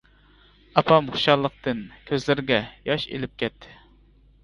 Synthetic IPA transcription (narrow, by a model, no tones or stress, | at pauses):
ɑpʰɑmχʊ̥ʃɑlˠːəq̚t̪ʰɨnkʲʰøzlɪɾɪɡʲɛjɑʃḛlɪp̚kʲʰɛt̪ʰːɪ̥